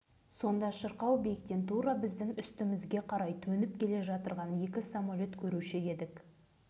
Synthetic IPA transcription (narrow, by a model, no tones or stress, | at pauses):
so̞nd̪ɑʃəɾqɑwbejkt̪e̞nt̪uɾɑbɪzd̪ɪŋʏst̪ɪmɪzɡʲe̞qʰɑɾɑjt̪ʰɵnɪp̚kʲʰe̞le̞ʒɑt̪əɾʁɑnje̞kʲɪsamalʲo̞t̪kʲʰɵɾuʃɪe̞d̪ɪk